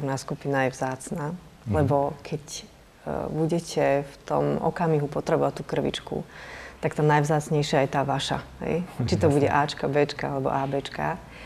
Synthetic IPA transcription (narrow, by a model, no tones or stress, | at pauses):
naːskupinajɛvzaːt͡snaː | lɛbɔkʰɛc | buɟɛcʰɛft̪ɔ̰mɔ̰kamiɦupɔt̪ɾɛbɔʋat̪ːuːkr̩ʋḭt͡ʃkṵt̪akt̪aːnajvzaːt͡sɲɛjʃɪajɛt̪aːʋaʃa̰ɦɛ̰jt͡ʃit̪ɔbuɟɛ̰ʔaːt͡ʃkabɛːt͡ʃka̰alɛbɔ̰ʔaːbɛːt͡ʃka̰